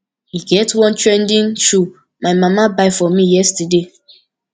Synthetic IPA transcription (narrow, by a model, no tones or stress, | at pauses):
hiɡɛtwɔ̃ntɹɛ̃ndĩnʃu | maɪmamabaɪfɔmijɛstəde